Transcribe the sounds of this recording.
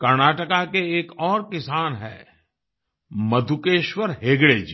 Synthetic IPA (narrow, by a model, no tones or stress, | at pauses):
kɐɾnaːʈəkakeeːkɔːɾkɪsaːnɦɛ̰ː | mɐd̪ʱukeːʃwəɾɦeːɡɽeːd͡ʒi